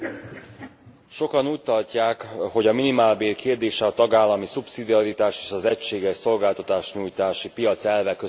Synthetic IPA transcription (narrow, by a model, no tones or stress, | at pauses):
ʃo̞kɒnuːc̚t̪ɒlcaːkho̞ɟɒminimaːlbeːrkeːrd̪eːʃɛɒt̪ɒɡaːlːɒmisupsid̪iɒɾit̪aːʃe̥ːʃɒzɛcʃeːɡɛʃso̞lɡaːlt̪ɒt̪aːʃɲuːjt̪aːʃipijɒt̪sɛlvɛkø